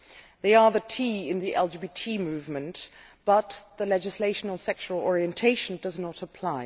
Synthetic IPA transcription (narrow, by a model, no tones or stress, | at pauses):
ðeɪə˞ðətʰiɪ̃nðiʔɛ̰lˠd͡ʒibitʰimʉvmɨ̃n | b̥ʌt̪ðəlɛd͡ʒɨsleɪʃənəl̩ˠsɛk̚t͡ʃəəlˠɔɹiɨ̃ntʰeɪʃə̃n̩dʌznəɾəpʰl̥aɪ